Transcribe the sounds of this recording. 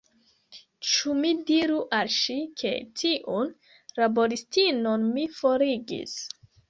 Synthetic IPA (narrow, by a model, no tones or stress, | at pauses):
t͡ʃumidiɾuʔalʃikʰe̞̰tʰiʔun | ɾabo̞ɾistinonmifo̞ɾiɡḭs